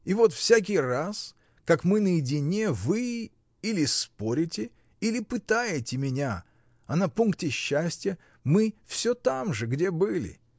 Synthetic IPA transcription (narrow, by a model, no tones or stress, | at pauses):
ivo̞t̪fsʲak̬ʲɪjras | kakmɨnəjɪdʲɪnʲevɨ | ilʲɪspo̞ɾʲɪtʲɪ | ilʲɪpɨt̪ajɪtʲɪmʲɪnʲa | ɐnɐpuŋk̚tʲɪɕːæsʲtʲjə | mɨfsʲɵt̪amʐɨɡdʲe̞bɨlʲɪ̰